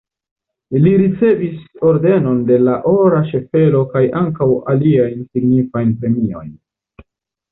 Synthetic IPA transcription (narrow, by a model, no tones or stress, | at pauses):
liɾit͡se̞viso̞ɾde̞no̞nde̞laʔo̞ɾaʃe̞fe̞lo̞kajaŋkawaliajnsiɡnifajnpɾe̞mio̞̰jn